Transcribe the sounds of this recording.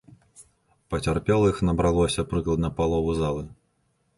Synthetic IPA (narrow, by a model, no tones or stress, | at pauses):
pɐt͡sʲarpʲɛlˠɐixnɐbɾalˠɔsʲɐpɾɨklˠɐd̪nɐpalˠɔvuzalˠɨ